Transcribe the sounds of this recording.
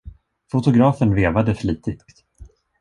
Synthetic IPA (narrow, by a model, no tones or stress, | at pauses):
fʊt̪ʊɡɾɑːfənveːvad̪əfliːt̪ɪktt̪